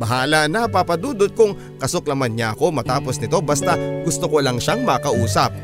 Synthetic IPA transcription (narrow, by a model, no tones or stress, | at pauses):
bɐɦaːlɐnɐpapɐd̪uːd̪ot̪̚kʊŋ | kɐsok̚lɐmanɲaʔɐko̞mɐt̪aːpo̞snɪt̪o̞bɐst̪aɡʊst̪okolɐŋʃaŋmɐkɐʔuːsɐp̚